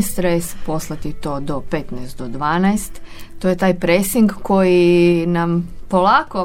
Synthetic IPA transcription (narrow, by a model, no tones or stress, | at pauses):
ist̪ɾajespo̞slˠat̪it̪o̞ːd̪o̞pet̪nɛjst̪̚d̪od̪ʋaːnajst̪t̪ːoje̞t̪aːjpɾesiŋɡko̞jinampo̞lˠaːko